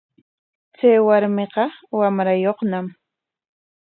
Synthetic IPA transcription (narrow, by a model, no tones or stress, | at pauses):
t͡sajwaɾmeqɑwamɾajoχnam